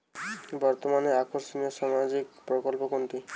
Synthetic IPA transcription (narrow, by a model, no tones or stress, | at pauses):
bɔɾt̪omaneakoɾsoniɔsamad͡ʒikpɾɔkɔlpokɔnt̪i